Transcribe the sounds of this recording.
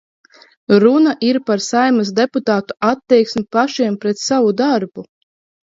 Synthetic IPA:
ɾunaʔiɾpaɾsajmasd̪eput̪aːt̪u̥at̪ːɛjksʲmʲipaʃiɛmpɾɛt̪savud̪aɾbu

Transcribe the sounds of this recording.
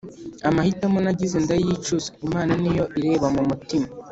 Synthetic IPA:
amahitamunaɟize̞ndajit͡ʃuzaimaːnanijo̞ʔiɾe̞ːβamumutima

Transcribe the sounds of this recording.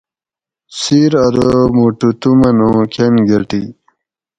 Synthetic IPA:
siɾɐɾəmuʈut̪umɐnõkʰenɡɐʈi

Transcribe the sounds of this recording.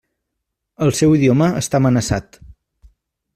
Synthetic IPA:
əlˠsɛwiðioməəst̪amənəsat̪

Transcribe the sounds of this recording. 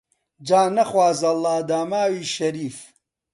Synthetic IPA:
d͡ʒaːnɐχwaːzɐlaːd̪aːmaːwiːʃɐɾiːf

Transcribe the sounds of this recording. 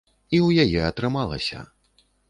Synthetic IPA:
iwjajɛɐt̪ɾɨmalˠɐ̰sʲɐ̰

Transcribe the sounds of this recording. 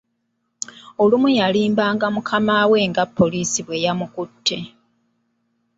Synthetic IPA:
o̞lumujaliːmbaːŋɡamukʰamawe̞ŋɡapːo̞liːsiβwe̞jamukutʰːe̞

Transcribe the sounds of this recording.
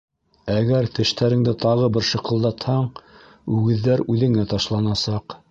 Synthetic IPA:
æɡæɾt̪ɘ̆ʃt̪æɾɘ̆ŋd̪ɘt̪ɑʁɤbɘɾʃɤ̆qɤ̆lˠd̪ɑt̪hɑɴ | ʉɡɘ̆ðːæɾʉðɘ̆ŋæt̪ɑʃlˠɑnɑsɑq

